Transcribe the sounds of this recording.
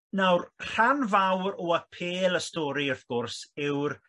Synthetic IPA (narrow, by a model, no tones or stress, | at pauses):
nawrr̥anvawɾɔəpʰeːlˠəstɔːɾiɔvɡ̥ɔrsɪwr